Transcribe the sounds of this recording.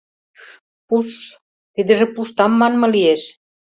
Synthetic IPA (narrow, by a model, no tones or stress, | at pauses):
pus | t̪id̪ə̆ʒĕpuʃt̪ɑmːɑnmɤ̆lieʃ